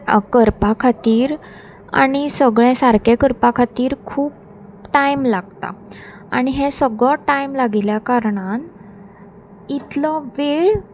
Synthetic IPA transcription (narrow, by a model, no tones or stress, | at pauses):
kəɾpakʰat̪iːɾ | a̰ɽ̃isəɡɭẽsaɾkẽkəɾpakʰat̪iːɾkʰuːp̚ | ʈajmlaɡt̪a̰ | aɽ̃iɦẽsəɡɭɔʈajmlaɡiljakaɾɳ̃an | it̪lɔʋeɭ